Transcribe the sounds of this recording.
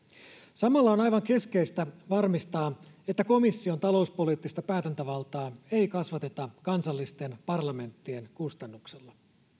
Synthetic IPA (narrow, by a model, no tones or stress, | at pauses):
sɑmɑlːɑonɑjʋɑŋke̞ske̞jst̪æʋɑrmist̪ɑː | e̞t̪ːæko̞misːio̞nt̪ɑlo̞uspo̞liːt̪ːist̪ɑpæːt̪ænt̪æʋɑlt̪ɑːe̞jkɑsʋɑt̪e̞t̪ɑkɑnsɑlːist̪e̞npɑrlɑme̞nt̪ːie̞nkust̪ɑnːukselːɑ